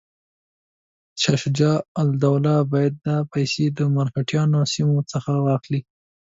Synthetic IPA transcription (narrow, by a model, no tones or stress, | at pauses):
ʃaʃd͡ʒɑald̪awlɑbɑjad̪̚d̪apajsed̪əmaɾkaʈjɑnosimot͡səxawɑxli